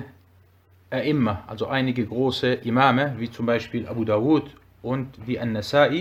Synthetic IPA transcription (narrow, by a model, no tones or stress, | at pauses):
ʔaʔɪmːɐʔalzoʔaɪnɪɡəɡʁoːsəʔɪmaːməviːt͡sʊmbaɪʃpiːlʔa̰buːdaːuːt | ʔʊntviːʔanːasaːʔi